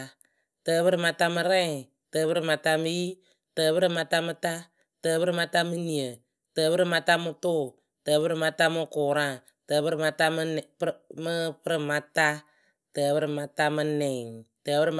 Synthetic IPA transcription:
təː˨˦bɨ˦ɾɨ˦˨ma˧ta˦mɨ˧ɾɛ˦˨ŋ | təː˨βɨ˦ɾɨ˨ma˨ta˧mɨ˦ji˦ | təː˨βɨ˦ɾɪ˦ma˧ta˦mɨ˦ta˦ | təː˧˦bɨ˦ɾɨ˦˨ma˧ta˦mɨ˦ni˨ə˨ | tə˨bɨ˦ɾɨ˦ma˧ta˦mɨ˧tʊ˦˨ | təː˨bɨ˦ɾɨ˨ma˧ta˦mɨ˦kʊ˨ɾa˦˨ | tə˨bɨ˦ɾɨ˦˨ma˧ta˦m˦˨˦mə˦pɾɪ˨ma˧ta˦ | təː˨bɨ˦ɾɨ˦ma˨ta˦mɨ˧nɛ˨ŋtəː˨bɨ˦ɾɪ˦

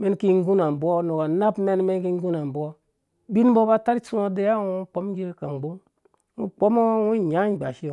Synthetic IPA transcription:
me˦n˦ki˦ŋ˦ɡu˦na˨m˨bo˦no˨ka˨na˦bme˦n˦me˦n˦ki˦ŋ˦ɡu˦na˨m˨bo˦ | bi˦n˦bo˦ba˦ta˦ɾi˦t͡ʃsu˦o˦de˦ja˦wu˦k͡po˦mɡi˦ka˨ŋ˨ɡ͡bo˦n | ŋu˦k͡po˦mo˦wu˦˨ɲa˦˨ɡ͡ba˨ʃi˦jo˨

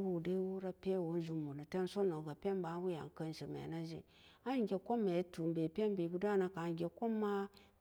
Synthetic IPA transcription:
wu˦˨de˦wu˦ɾa˦pʲe˦˨wo˨˦n˦ʒu˦mu˨na˨te˦n˦so˦no˨ɡa˨pʲe˦m˦ba˨˦wu˦ja̰˨ŋ˨kə˦n˨ʃi˨mḛ˨na˦ʒḭ˨ | a˦ɡʲe˨ko˦mːe˨˦tu˨m˨be˨pʲe˦mbe˨ɡu˦da˦na˦ka˨ɡʲe˨ko˦mːa˦

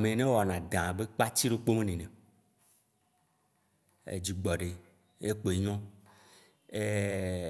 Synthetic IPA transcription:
mẽ˨nẽ˦wɔ˨nã˨d̪ã˨be˦k͡pa˦t͡ɕi˦ɖo˦k͡po˦mẽ˦nẽ˨nẽ˨ | ḛ˨d͡ʑi˨ɡ͡bɔ˨ɖe˨ | e˦k͡po˨e˨ɲɔ̃˦ | e˦

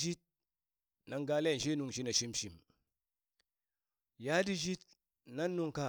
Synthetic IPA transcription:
ʒi˦t̚ | na˨ŋɡa˦le˦˨n˨ʃi˦nu˨ŋ˨ʃi˦na˨ʃi˦mʃi˨m | ja˦di˦ʒi˦t̚ | na˦nːu˦ŋka˦˨

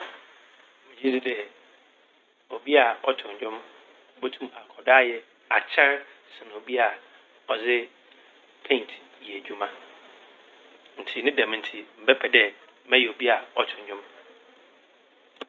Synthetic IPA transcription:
mʊ̃˨d͡ʑi˦dɪ˦dɛ˨ | o˨bi˦a˨ɔ˨tʰʊ̃˨ɲ˨d͡ʑᶣʊ̃˦m˦ | bo˦tʰũ˦ma˨kʰɔ˨daː˦jɛ˨ | a˨t͡ɕʰɛ˦ɾsɪ˨ñ˨o˨bi˦a˨ | ɔ˨d͡zɪ˦ | pʰẽ˦˨n˨tʰ | je˨d͡ʑᶣu˦mã˦ | n̩˨tʰi˨nɪ̃˦dã˨m̃˨n̩˨tʰi˨m̩˨bɛ˦pʰɛ˨dɛ˨˦ | mɛ̃˦jɛ˨o˨bi˦a˨ɔ˨tʰʊ̃˨ɲ˨d͡ʑᶣʊ̃˦m

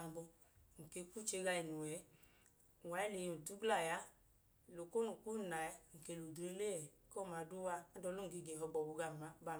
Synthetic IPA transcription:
a˨m˨bɔ˧ | ŋ̩˨ke˧˦˧ku˦˨t͡ʃe˧ɡa˧i˨nu˨wɛ˨˦˨ | wa˨˦i˦le˨jnu˨tu˦ɡla˦˨ja˦˨ | lo˨ko˦nu˨ku˦˨na˨ja˦ŋ̩˨ke˧˨lo˨de˦le˦ɛ˨˦ko˦˨ma˨˧˦du˦wa˧a˦dɔ˧˦lo˦ŋ̩˨ɡe˧˨ɡɛ˨ɦɔ˧ɡ͡bɔ˨bu˧ɡa˨ma˨˧˦ba˧˨

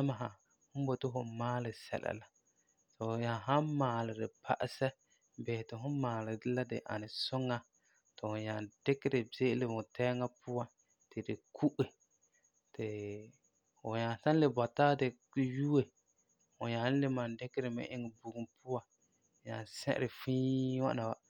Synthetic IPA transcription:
a˦ma˨ɦa˨ | hʊ˦bo˦tɪ˦ɦʊ˨maː˦lɪ˨sɛ̰˨la̰˨la˨ | sʊ˨ɲa˨ɦa˦maː˨lɪ˨dɪ˨pʰa̰˨ʔɪ˨sɛ˦ | bɪ˨hɪ˨tɪ˨hʊ˦maː˨lɪ˨dɪ˦la˦dɪ̰˨ʔa̰˨nɪ˨sʊ˦ŋːa˦ | tɪ˨hʊ˨ɲa˨nd̥ɪ˦kɪ˦ɾɪ˨bɪ˦ʔɪ˦lɪ˨mʊ˨tʰɛ˦ŋa˦pʰʊ˦wa˦ | tɪ˨dɪ˨kʰu˦ʔɪ˨ | tɪ˨ | ʊ˨ɲa˨sa˦n˦lɪ˨bɔ˨taː˦dɪ˨ | ju˦e˨ | hʊ˨ɲa˨˦n˦lɪ˦ma˨ndɪ˦kɪ˦ɾɪ˨mɪ̰˦ʔɪ˦ŋɪ˨bu˨ɡu˨mpʊ˦wã˨ | ɲa˨nsɛ̰˦ʔɾɪ˨fiː˦wa̰˦na˨wa˨

